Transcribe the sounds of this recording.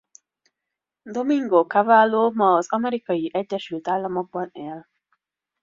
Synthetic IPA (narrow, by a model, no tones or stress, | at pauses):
d̪omiŋɡokavaːlːoːmɒːzɒmɛɾikɒjiʔɛɟːɛʃylt̪aːlːɒmoɡ̚bɒneːl